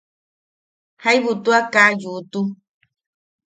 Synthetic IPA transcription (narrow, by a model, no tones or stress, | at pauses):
hajβut̪uakajut̪u